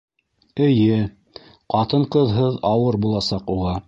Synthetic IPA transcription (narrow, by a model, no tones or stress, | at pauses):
ɘ̆jɘ | qɑt̪ɤɴqɤ̆ðɦɤðɑwɤɾbulˠɑsɑquʁɑ